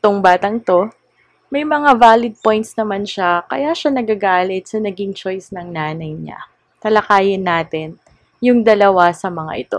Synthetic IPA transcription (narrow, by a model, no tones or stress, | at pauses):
t̪oŋbaːt̪ɐŋt̪o̞ | mɐjmɐŋavaːlɪd̪̚po̞jnt̪snɐmanʃakɐ̰jaʃanɐɡaɡaːlɪt̪̚sɐnɐɡiŋt͡ʃo̞jsnɐŋnaːnɐjɲa̰ | t̪ɐlɐkaːjɪnːaːt̪ɪn | jʊŋd̪ɐlɐwasɐmɐŋa̰ʔɪt̪o̞̰